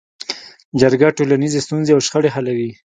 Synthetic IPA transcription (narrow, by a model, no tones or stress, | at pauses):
d͡ʒaɾɡaʈolanizest̪unzeawʃxəɽeɦalawi